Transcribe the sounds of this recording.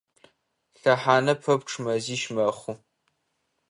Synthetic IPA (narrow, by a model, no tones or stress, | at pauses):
ɬɐħaːnɐpʰɐp̚ʈ͡ʂʰmɐziːʃmɐχʷu